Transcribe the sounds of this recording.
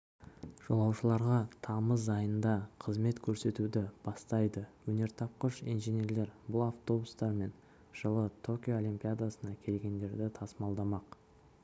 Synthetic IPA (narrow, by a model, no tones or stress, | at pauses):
ʒ̥o̞lˠɑwʃəlˠɑɾʁɑt̪ʰɑməzɑjənd̪ɑqʰəzme̞t̪kʲʰɵɾse̞t̪ud̪ɪb̥ɑst̪ɑjd̪əwɵne̞ɾt̪ʰɑp̚qəʃḭnʒeneɾle̞ɾbʊlˠaft̪o̞bust̪ɑɾme̞n | ʒ̥əlˠət̪ʰo̞kʲijo̞olimpʲijad̪asənɑkʲʰe̞lɡʲe̞nd̪e̞ɾd̪ɪt̪ʰɑsmɑlˠd̪ɑmɑq